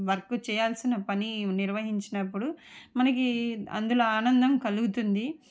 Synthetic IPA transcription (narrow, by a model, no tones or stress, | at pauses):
ʋɐɾkut͡ʃɛːjaːlsinːɐpɐniniɾʋɐɦiɲt͡ʃinɐpːuɽumɐnɐk̬iɐ̰nd̪uloːaːnɐnd̪ɐmkɐluɡut̪und̪i